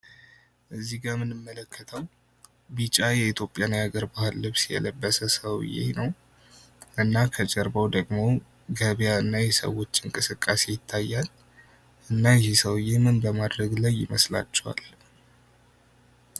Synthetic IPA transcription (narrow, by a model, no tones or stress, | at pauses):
ʔɨzːiɡamɨnɨmːələkʰːət̪ʰəw | bit͡ʃʼajɛit̪ʰjo̞pʼjanjaɡəɾbahɨlːɨβsjɛ̰ləbːəsəsəw̰jḛnəw | ʔɨnːakʰət͡ʃʼɛɾbəwd̪əɡmo̞ | ɡəβjaɨnːajɛsə̰wo̞t͡ʃːɨŋkʼɨsɨkʼːase̞jɪt̪ʰːajːal | ʔɨnːajɛhesəwjemɨnbəmad̪ɾəɡlajːɪ̰məsla̰t͡ʃːɛwa̰l